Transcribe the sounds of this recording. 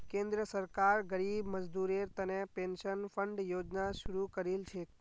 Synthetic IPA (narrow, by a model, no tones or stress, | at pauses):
kẽnd̪ɾəsəɾkaɾɡəɾibməd͡ʒd̪uɾeɾt̪ənepẽnʃənpʰəɳɖjoːd͡ʒnaʃʊɾukəɾilt͡ʃʰe